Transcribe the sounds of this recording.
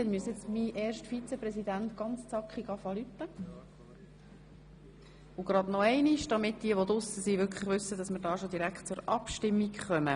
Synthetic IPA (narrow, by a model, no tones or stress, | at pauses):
ɛlmyəsɛt͡smiʔɛːɾʃtfit͡sɛprɛsidænt̪ɡ̥ɑnt͡st͡sɑkχiɡɑfɑlyt̪ːə | ʊɡ̥ɾɑdnɔɛɪniʃd̥ɑmɪt̚d̥iəʋodʊsəsiːʋʏɾkʰləχvʋʏsːədɑsməɾdɑːʃod̪iɾækχt̚t͡sʊɾɑpʃtɪmːikχœmə